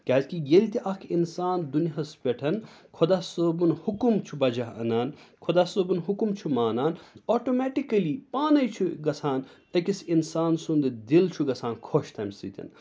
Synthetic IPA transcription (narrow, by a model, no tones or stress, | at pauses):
kɐɦɐtkijelʲt̪ʲiʔɐkʰinsaːnd̪uniɦɐspʲeʈʰɐnkʰod̪aːsoːbunhukumt͡ʃʰubɐd͡ʒaɦɐ̰naːnkʰod̪aːsoːbunɦukumt͡ʃʰumaːnaːnoːʈomɛːʈikɐlipaːnɐjt͡ʃʰuɡɐsʰaːn | ɐkʲisinsaːnsund̪ɨd̪ilt͡ʃʰuɡɐt͡sʰaːnkʰoːʃt̪ʰɐmʲsḭt̪ʲḭn